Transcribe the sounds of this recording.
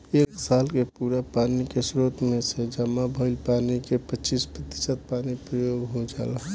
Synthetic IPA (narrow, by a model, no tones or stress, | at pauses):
eːksaːlkepuːɾapaːnikesɾoːt̪mẽsed͡ʒəmabʱəɪlpaːnikepət͡ʃispɾət̪ɪ̥sət̪̚paːnipɾəjoːɡɦod͡ʒa̰ːla